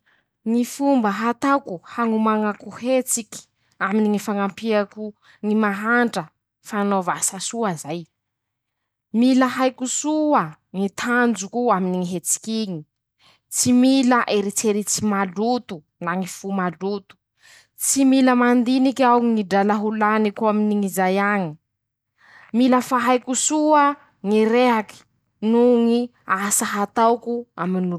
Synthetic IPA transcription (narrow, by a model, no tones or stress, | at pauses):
ŋifumbəɦat̪akuhaŋumaŋakuhet͡siki̥ | aminiŋifaŋampiaku | ŋimaɦaɳʈ͡ʂə | fanovasasuazaj | milaɦajkusua | ŋit̪ʰand͡zukuaminiŋiɦet͡si̥kiɲi | t͡similaʔeɾit͡seɾit͡simalut̪u | naŋifumalut̪u̥ | t͡similəmand̪inikawŋiŋidalaɦulanikuaminiŋizajaŋi | miləfaɦajkusuə | ŋiɾeɦaki̥ | nuŋi | asaɦat̪awkua̰minu